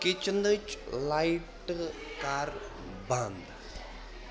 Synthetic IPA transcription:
kɪt͡ʃənd̪ət͡ʃlaiʈkaɾ | bãnd̪

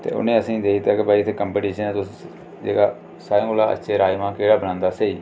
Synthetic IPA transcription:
t̪ḛːʊ̰nẽːəsĩːd̪eːkit̪aːkɪbaːiːɪt̪ʰeːkəmpeːʈiːʃənɛːt̪ʊs | d͡ʒḛːɡaː | saːẽːɡolaːə̰tːʃʰeːɾaːjʋãːkeːɽaːbənãːnd̪aːseːiː

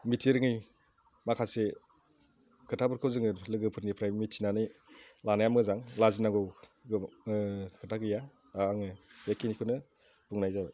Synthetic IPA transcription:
mitʰiɾɯŋɯj | makʰase | kʰɯtʰabɯɾkʰɯwzɯŋɯlɯɡɯpʰɯɾnipʰɾajmitːinanɯjlanajamɯzaŋlazinaŋɡɔw | kʰɯtʰaɡɯja | aːŋɯjakʰinikʰɯnɯ | buŋnajzab

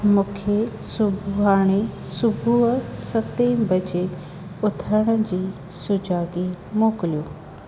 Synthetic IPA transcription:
mũːkʰesʊbʱaːɽ̃e | sʊbʱuɦsɐt̪ebɐd͡ʑe | ʊt̪ʰəɽ̃ə̆d͡ʑiː | sʊd͡ʑaːɡi | moːkɪlijoː

